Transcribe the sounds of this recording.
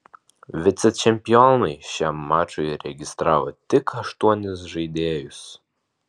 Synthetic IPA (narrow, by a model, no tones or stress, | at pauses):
vʲɪt̪sʲɛt͡ʃʲɛmʲpʲiɔnɐjʃʲɛmːɑːt͡ʃojɾʲɛɡʲɪst̪ɾɑːʋɐt̪ʲɪkʰɐʃt̪uɔnʲɪsʒɨd̪ʲeːjʊs